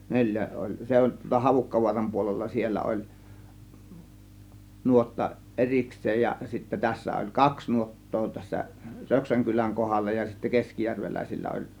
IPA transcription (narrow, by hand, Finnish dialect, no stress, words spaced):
nelʲjæ olʲ se olˑ tuɑlːɑ hɑʋukːɑʋuɑrɑm puolelːɑ sielːæ olˑ nuotːɑ ʔeriksˑeːj jɑ sitːæ tæsːæ olʲ kɑks nuotːoː tæsːæ røksæŋ kylæŋ kohɑlːɑ jɑ sitːæ keskijærʋelæˑisilːæ olʲ